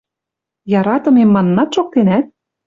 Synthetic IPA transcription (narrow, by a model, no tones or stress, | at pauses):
jɑɾɑt̪ɤ̆memːɑnːɑt̪ʃok̚t̪enæt̪̚